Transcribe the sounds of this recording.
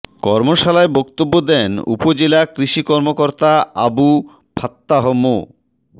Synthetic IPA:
kɔɾmoʃalaebɔkt̪obːod̪ɛnṵpod͡ʑelakɾiʃikɔɾmokɔɾt̪aa̰bu | pʰat̪ːaɦomo̰

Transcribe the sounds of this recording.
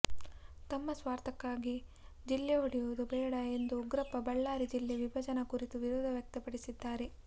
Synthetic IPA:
t̪ɐmːɐsʋaːɾt̪ʰɐkːaːɡi | d͡ʒilːɛɦoɽijuʋud̪ubɛːɽɐe̞nd̪uɡɾɐpɐbɐɭːaːɾid͡ʒilːeʋibʱɐd͡ʒɐnɐkuɾit̪uʋiɾoːd̪ʱɐʋjɐk̚t̪ɐpɐɽisid̪ːaːɾe

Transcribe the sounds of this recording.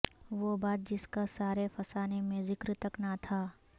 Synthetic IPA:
ʋobaːt̪̚d͡ʒɪskasaːɾefɐsaːnemẽzɪkɾt̪ɐknat̪ʰaː

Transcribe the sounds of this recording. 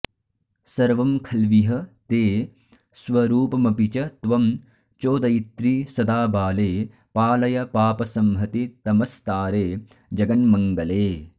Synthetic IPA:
sɐɾʋɐmkʰɐlʋiɦɐt̪eː | sʋɐɾuːpɐmɐpit͡ʃɐt̪ʋɐm | t͡ʃoːd̪ɐjit̪ɾiːsɐd̪aːbaːleː | paːlɐjɐpaːpɐsɐmɦɐt̪it̪ɐmɐst̪aːɾeː | d͡ʒɐɡɐnmɐŋɡɐleː

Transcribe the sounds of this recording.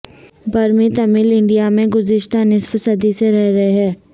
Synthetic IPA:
bɐɾmĩt̪ɐmɪlɪ̃ɳɖijamẽɡʊzɪʃt̪anɪsfəsəd̪iseɾɛɦɾɐɦeɦɛː

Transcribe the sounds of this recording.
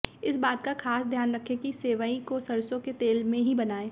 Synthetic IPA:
ɪsbaːt̪kaxaːsd̪ʱjaːnɾɐkʰẽkiseːʋaĩkosɐɾsõket̪eːlmẽɦibɐnaːeː

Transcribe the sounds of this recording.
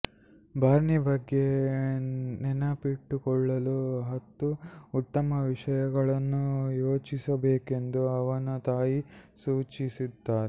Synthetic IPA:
bʱaːɾnibɐɡːe̞ | nɛnɐpiʈːukɔɭːɐluɦɐt̪ːuːt̪ːɐmɐʋiʂɐjɐɡɐɭɐnːujo̞ːt͡ʃisɐbeːke̞nd̪uɐʋɐnut̪aːjisuːt͡ʃisid̪ːaːɾe

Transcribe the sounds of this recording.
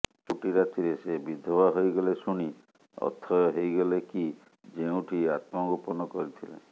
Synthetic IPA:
t͡ʃʰuʈiɾat̪iɾesebid̪ʱɔbaɦojɡɔlesuɽ̃i | ɔ̰t̪ʰɔjɔɦejɡɔleki | d͡ʒeũʈʰiat̪mɔɡupɔnɔkɔɾit̪ʰilḛ

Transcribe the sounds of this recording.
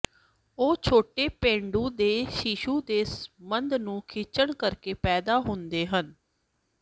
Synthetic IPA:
oːt͡ʃʰoːʈeːpẽːɳɖũːd̪eːʃɪʃuːd̪eːsmənd̪nũːkʰɪt͡ʃəɳkəɾkeːpɛːd̪aːɦʊnd̪eːɦən

